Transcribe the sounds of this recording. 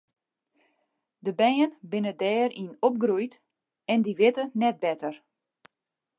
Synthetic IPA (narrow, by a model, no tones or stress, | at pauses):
dəbɛjənbɪnədɛːɾinop̚ɡrujt | ɛndiʋɪtənɛt̚bɛtər